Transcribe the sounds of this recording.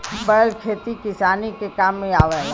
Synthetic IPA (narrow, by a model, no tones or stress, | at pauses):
bəɽəlkʰeːt̪ikɪsaːnikekaːmːẽaːʋɛːla